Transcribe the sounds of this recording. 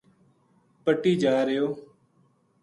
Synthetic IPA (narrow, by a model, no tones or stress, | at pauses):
pəʈːiːd͡ʒaːɾəjoː